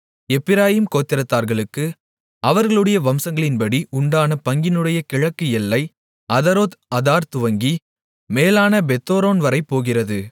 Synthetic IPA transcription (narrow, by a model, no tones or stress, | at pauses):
ɛpːɪɾaːjimkoːt̪ːɪɾɐt̪ːaːɾɣɐɭɯkːɯ | ɐʋɐɾɣɐɭɯɽɐjɐʋɐmsɐŋɡɐɭɪnpɐɽiʔʊɳɖaːnɐpɐŋɡɪnɯɽɐjɐkɪɻɐkːɯɛlːɐɪ | ɐðɐɾoːt̪ɐðaːɾt̪ʊʋɐŋɡi | meːlaːnɐbɛt̪ːoːɾoːnʋɐɾɐɪpːoːɣɪrɐðɯ